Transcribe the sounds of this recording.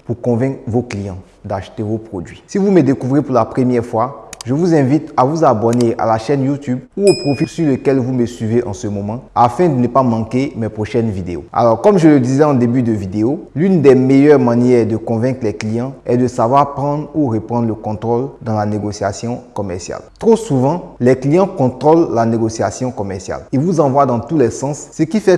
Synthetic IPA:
puʁkɔ̃vɛ̃kχvoklijɑ̃ | d̪aʃt̪evopχod̪ɥisivuməd̪ekuvʁepuʁlapχəmjɛʁfwaʒəvuzɛ̃vit̪avuzabɔnea̰laʃɛnjut̪ybuopχofisyʁləkɛlvuməsɥiveʔɑ̃səmɔmɑ̃afɛ̃d̪ənəpamɑ̃kemɛpχoʃɛnvid̪eo̰a̰lɔʁkɔmʒələd̪izɛɑ̃d̪ebyd̪əvid̪eolynd̪ɛmejœʁmanjɛʁd̪əkɔ̃vɛ̃klɛklijɑ̃ɛd̪əsavwaʁpχɑ̃d̪ʁuʁəpχɑ̃d̪ʁləkɔ̃t̪χold̪ɑ̃laneɡosja̰sjɔ̃kɔmɛʁsja̰lt̪χosuvɑ̃lɛklijɑ̃kɔ̃t̪χɔlːaneɡosiasjɔ̃kɔmɛʁsja̰livuzɑ̃vwad̪ɑ̃t̪ulɛsɑ̃sːəkifɛ

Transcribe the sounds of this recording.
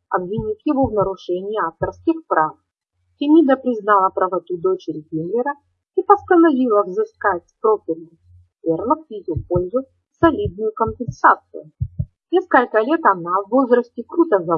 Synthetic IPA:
ɐ̰bvʲɪnʲifʲjɪvovnəɾʊʂɛnʲɪɪaft̪ərskʲɪxpɾʔaf | tʲɪmʲid̪əpɾʲɪznɑlˠɐpɾəvɐt̪ud̪o̞t͡ɕɪɾʲɡʲinlʲɪɾə | ipɐst̪ənɐvʲilˠəvzɨskatʲspɾopʲɪlʲɪ | vʲerlˠəkjɪjupolʲzʊ | sɐlʲid̪̚nʊjʊkəmpʲɪnsat̪sɨ̰jʊ | nʲeskəlʲkəlʲet̪ɐnavːo̞zɾəsʲtʲɪkɾut̪əzɐ

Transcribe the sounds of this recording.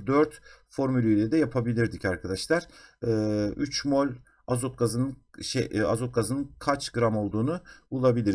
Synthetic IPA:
d̪øɾt̪fo̞ɾmylʲyjlʲɛd̪ɛjapʰabilʲiɾd̪icaɾkʰad̪aʃlˠaɾ̥ɯːyt͡ʃmo̞lʲ | azot̪̚ɡazɯnɯʃɛa̰zot̪̚ɡazɯnɯnkʰat͡ʃɡɯɾamo̞lˠd̪uːnuulˠabilʲiɾ

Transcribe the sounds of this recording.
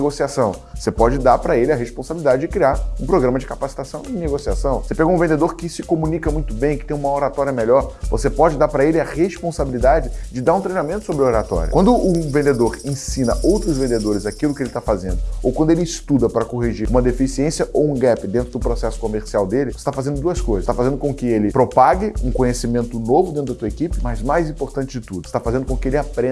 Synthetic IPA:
ɡosiasɐ̃w̃vosepɔd͡ʒɪd̪aɾpɾɐelɪɐɦespõsabilid̪ad͡ʒɪd͡ʒɪkɾiaɾũpɾoɡɾɐ̃mɐd͡ʒɪkapasi̥t̪asɐ̃w̃ẽneɡosiasɐ̃w̃osepɛɡoũvẽnd̪ed̪oɾkɪsɪkomunikɐmũj̃t̪ʊbẽj̃kɪt̪ẽj̃ũmɐoɾat̪ɔɾjɐmeʎɔɾvosepɔd͡ʒɪd̪aɾpɾɐelɪɐʁespõsabilid̪ad͡ʒɪd͡ʒɪd̪aɾũt̪ɾejnamẽnt̪ʊ̥sobɾoɾat̪ɔ̰ɾjʊ̰wɐ̃nd̪ʊʔʊvẽnd̪ed̪oɾẽsĩnɐʔowt̪ɾʊzvẽnd̪ed̪oɾɪzakilʊkɪelɪt̪afazẽnd̪ʊowkwɐ̃nd̪ʊelɪistt̪ud̪ɐpɾɐkoɦiʒiɾũmɐd̪efisiẽsjɐʔowũɡɛpɪd̪ẽnt̪ɾʊd̪ʊpɾosɛsʊ̥komeɾsiawd̪elɪvoset̪afazẽnd̪ʊd̪uɐskojzɐst̪afazẽnd̪ʊkõkɪelɪpɾopaɡɪũkõɲesimẽnt̪ʊnovʊd̪ẽt̪ɾʊd̪ɐt̪uɐekipɪmɐjzmajzĩpoɾt̪ɐ̃nt͡ʃɪd͡ʒɪt̪ud̪ʊɪst̪afazẽndʊkõkɪelɪapɾẽ

